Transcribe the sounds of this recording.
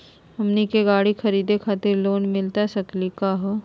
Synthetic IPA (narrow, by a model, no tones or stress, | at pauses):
ɐmnikeɡaːɽixʰɐɾiːd̪ekʰaːt̪ɪɾloːnmɪlt̪asɐklikaːɦo